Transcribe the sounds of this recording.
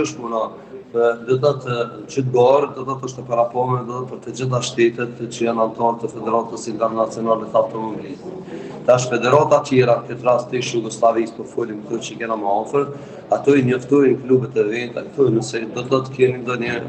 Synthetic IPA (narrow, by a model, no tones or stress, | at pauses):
əʃpuna | pəd̪ɔt̪at̪ət͡ʃət̪̚bɔɾəd̪ɔt̪ɔt̪ɔʃt̪ɛpaɾapɔmɛd̪ɔt̪ɔpəɾt̪əd͡ʑəθaʃt̪ɛt̪ɛt̪t͡ɕəjanant̪ɔɾt̪əfɛd̪ɛɾat̪əsint̪ɛɾnat͡sijɔnalɛt̪əawt̪ɔmɔbilis | t̪aʃ̬fɛd̪ɛɾat̪at̪jɛɾakɛt̪ɾast̪iʃjuɡɔslˠavispəɾfulimkt̪ɔt͡ɕəkɛnaməɔfəɾ | at̪ɔiɲɔft̪ɔjnəklubɛt̪ɛvɛnt̪aθɔjnəsɛd̪ɔt̪ɔt̪ə̥kɛnind̪ɔɲə